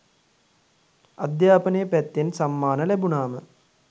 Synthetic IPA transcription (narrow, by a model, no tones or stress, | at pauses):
ɐ̰d̪jaːpɐnejpɛt̪ːensɐmːaːnɐlebuɳaːmə